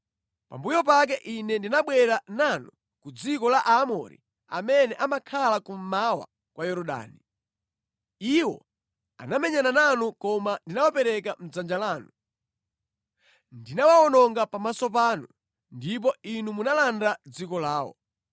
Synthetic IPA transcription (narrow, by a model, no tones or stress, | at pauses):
pa̰mbujɔp̬ak̬ɛʔinɛndinaɓwɛɾananu | kud͡zikɔlaʔaːmɔ̰ɾḭ | a̰mɛnɛʔamakʰalakum̩mawa̰ | kwʔajɔɾɔɗa̰ːni | iwɔ̰ | a̰namɛɲanananukɔmandinawapɛɾɛkam̩d͡zand͡ʒalaːnu | ndinawaɔnɔŋɡapamasɔp̬aːnu | ndip̬ɔinumunalandad͡zikɔlaːwɔ̰